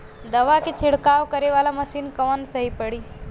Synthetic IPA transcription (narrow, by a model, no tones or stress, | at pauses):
d̪əʋaket͡ʃʰɪɽkaʋkəɾeʋalaməsiːnkəʋənsəɦipəɽiː